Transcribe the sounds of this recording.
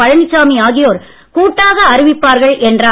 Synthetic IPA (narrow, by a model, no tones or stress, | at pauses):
ɐɻɐɳɪt͡ʃːaːmiaːɣɪjoːɾ | kuːʈːaːɣɐːɾɪʋɪpːaːɾɣɐɭʔɛndraː